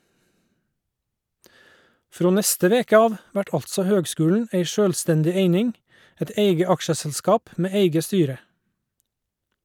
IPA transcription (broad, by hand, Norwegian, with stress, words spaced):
ˈfɾoː ˈnɛstə ˈʋeːkə ˈɑːʋ ˈʋæʈ ˈɑltsɔ ˈhøːɡˌskʉːln̩ ˈeɪ ˈʃøːlˌstɛndɪ ˈeɪnɪŋ ˈɛt ˈeɪɡə ˈɑkʃəsl̩ˌskɑːp ˈmeː ˈeɪɡə ˈstyːɾə